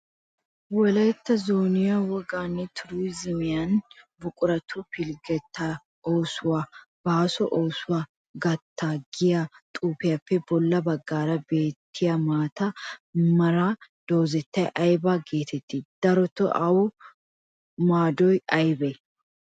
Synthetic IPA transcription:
wɔlɐjt̪ːɐzoːnɪjɐwɔɡaːnːɛt̪ʰʊɾuzɪmɪjanbʊkʼʊɾɐt̪ʰupɪlɡɛt̪ːɐ | oːsʊwaːb̥aːsɔʔoːsʊwaː | ɡɐt̪ʰːaːɡɪjat̪ʼuːpɪjɐpːɛbɔlːɐbɐɡːaːɾɐbe̞ːt̪ʰːɪjɐmaːt̪ɐmɐɾad̪̥oːzɛt̪ːɐjʔɐjbaːɡe̞ːt̪ʰɛt̪ːid̪̥ɐɾɔt̪ɔʔɐwʊ | maːd̪ɔjɐjbɛ

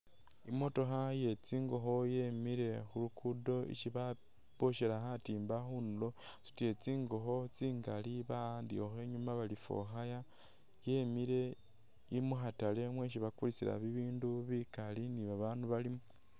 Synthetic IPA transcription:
imo̞to̞xaje̞t͡siːŋɡo̞xo̞je̞miɾe̞xulukʰudo̞ḭʃiβa | b̥oʃelaxatiːmbaxunulo̞ | su̥tie̞t͡siːŋɡo̞xo̞t͡siːŋɡaliβaːndio̞xwe̞ːɲumaβalifo̰xaja | je̞miɾe̞ | imuxatale̞mwe̞ʃiβakulit͡siɾa̰βiβiːnduβikaliniβaβaːnduβalimu

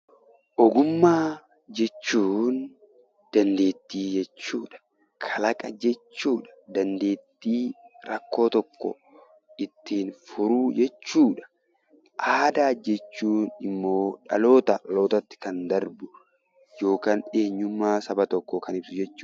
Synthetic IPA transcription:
ʔɔɡʊmːaː | d͡ʒɛt͡ʃːuːn | d̪̥ɐnd̪e̞ːt̪ːiːd͡ʒɛt͡ʃːuːᶑɐ̥ | kʰɐlɐkʼɐd͡ʒɛt͡ʃt͡ʃːuːᶑɐ̥d̪ɐnd̪e̞ːt̪ːiːɾɐkːo̞ːt̪ɔkːɔ̰ | ʔɪt̪ːiːnfʊɾuːd͡ʒɛt͡ʃːuːᶑɐ̥ | ʔaːd̪aːd͡ʒɛt͡ʃːuːnɪmːo̞ːᶑɐ̰lo̞ːt̪ɐɐlo̞ːt̪ɐt̪ːɪ̥kɐnd̪ɐɾbʊ | jo̞ːkaːne̞ːɲːʊmːaːsɐbɐt̪ɔkːɔkɐnɪbsʊd͡ʒɛt͡ʃːʊ̥

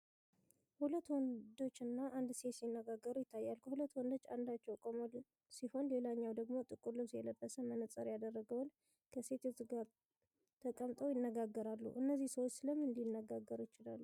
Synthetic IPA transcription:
hulət̪ːwɔnd̪o̞t͡ʃːɨnːaʔand̪se̞sinːəɡaɡːəɾujɪt̪ʰːajːalkʰəhulət̪ːwɔnd̪o̞t͡ʃːa̰nd̪at͡ʃːɛwkʼomol | siho̞nle̞laɲːawd̪əɡmo̞t̪ʼɨkʼuɾlɨmsɨjɛləbːəsəmənət͡sʼəɾjad̪ərːəɡəwn | kʰəse̞t̪ʰot̪ɡaɾ | t̪ʰəkʼəmt̪ʼowjɪnːəɡaɡːəɾalːṵʔɨnːəzːihsəwo̞t͡ʃːsɨləmɨnd̪inːəɡaɡːəɾujɪt͡ʃɪlalːu

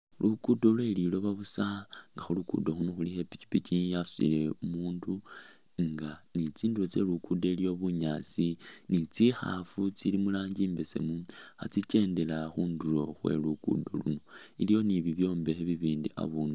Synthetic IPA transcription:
lʔukudolwelilo̞βaβusaŋɡaxulukṵdoxunoxulihe̞pi̥t͡ʃi̥picijasu̥ḭle̞umuːndu | ŋɡanit͡siːndulot͡se̞lukudelijo̞βuɲaːt͡sinit͡sixa̰fut͡silimulaːɲɟiːmbe̞se̞̰muha̰t͡sice̞ːnde̞laxuːnduɾo̞xwe̞̰lukṵdo̰lṵno̞ilijo̞niβiβjo̞ːmbe̞xeβiβiːndia̰βuːndu

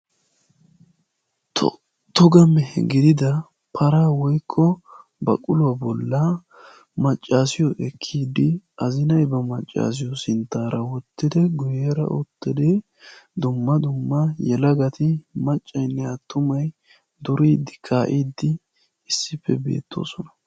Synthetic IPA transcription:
t̪ɔɡɐmɛhɡɪd̪ɪd̪ɐ | pʰɐɾaːwɔjkʰːɔbɐ̰kʼʊlʊwɐbɔlːɐ | mɐt͡ʃʼːaːsɪjɔʔɛkʰːiːd̪ːɪɐzɪnɐjbɐmɐt͡ʃʼːa̰ːs̬ɪjɔsɪnt̪ːaːɾɐwɔt̪ːɪd̪ɛɡʊjeːɾɐ̰ʔʊt̪ːɪd̪e | d̪ʊmːɐd̪ʊmːɐjɛlɐɡɐt̪ɪmɐt͡ʃʼːɐjnːɛɐt̪ːʊmɐj | d̪ʊɾiːd̪ːɪkʰaːʔiːd̪ːɪ | ɪsːɪpːɛbe̞̰ːt̪ʰːo̞̰ːsɔnɐ̥

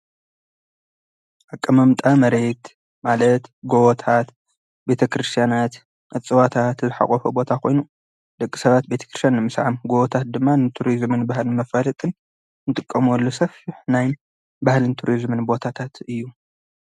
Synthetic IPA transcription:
ʔakʼːɐmɐmt̪ʼamɐɾe̞t̪ | malɐt̪ɡowɔt̪ʰat̪ | be̞t̪ʰɐkɾɨst̪ʰjanat̪ | ʔɨt͡sʼːɨwat̪ʰat̪zɨħa̰kʼɔfobo̞t̪ʰakʰo̞jnu | d̪̥ɐkʼːi̥sɐβat̪̚be̞t̪ʰɐ̥kɾɨst̪janːɨmɨsʕamɡowɔt̪ʰat̪̚d̪ɨmːanɨt̪ʰuɾizmɨnbahlɨnmɐfalɐt̪ʼɨn | nɨt̪ʼɨkʼːɐmɔlːosɐfiħnajn | bahlɨnt̪ʰuɾizmɨnbo̞t̪ʰat̪ʰat̪ɨjːu

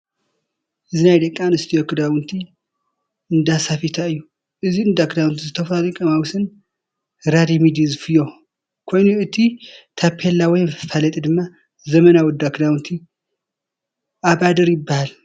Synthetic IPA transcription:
ʔɨzinajd̪ɐkʼːanɨst̪ʰijokʰɨd̪awɨnt̪ʰi | ɨnd̪asafit̪ʰaɨjːu | ʔɨziɨnd̪akd̪awnt̪ʰizɨt̪ʰɐfalɨkʼɐmawsɨn | ɾad̪imid̪izɨfɨjo̞ | kʰo̞jnuɨt̪ʰit̪ʰapʰːelːawɔjmfɨfalɐt̪ʼid̪ɨmːa | zɐmɐnawɔd̪akd̪awnt̪ʰi | ʔabad̪ɐɾjɪbːahal

